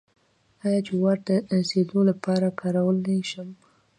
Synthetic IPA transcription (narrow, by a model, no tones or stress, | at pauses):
ɑjɑt͡ʃewaɾəsed̪olapɑɾakʰɑɾawəleʃəm